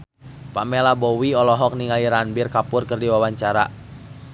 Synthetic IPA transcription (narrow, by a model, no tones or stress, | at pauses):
pa̰mɛlabɔwiɔlɔɦɔk̚niŋaliɾanbirkapʊrkɨrdiwawaɲt͡ʃaɾa̰